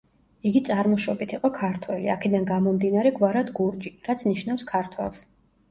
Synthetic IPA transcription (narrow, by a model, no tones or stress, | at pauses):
iɡit̪sʼaɾmɔʃɔbit̪ʰiqʼɔkʰaɾt̪ʰwɛliakʰɛd̪anɡamɔmd̪inaɾɛɡvaɾad̪ɡuɾd͡ʒiɾat̪sʰniʃnafskʰaɾt̪ʰwɛ̰lˠs